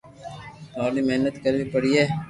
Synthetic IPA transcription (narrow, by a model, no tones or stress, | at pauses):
t̪aːlimeɦnət̪kəɾbipəɽiɛː